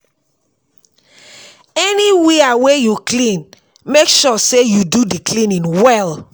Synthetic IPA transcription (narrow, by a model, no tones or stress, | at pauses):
ɛniweawejuklĩn | mekʃɔsejududiklĩnĩŋwɛl